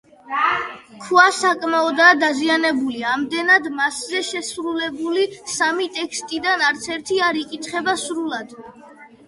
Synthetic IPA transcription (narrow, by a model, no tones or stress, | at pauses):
kʰuasakʼmaɔd̪aːd̪azianɛbuliamd̪ɛnad̪maszɛʃɛsɾulɛbulisamit̪ʼɛkʰst̪ʼid̪anaɾt̪sʰɛɾt̪ʰiaɾikʼit̪ʰχɛbasɾulˠad̪̥